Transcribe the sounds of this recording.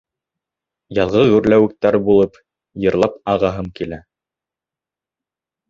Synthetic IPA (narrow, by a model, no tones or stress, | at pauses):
jɑlˠʁɤʁʉ̆ɾlæwɘ̆k̚t̪æɾbulˠɤp | jɤ̆ɾlˠɑpɑʁɑɦɤmkilæ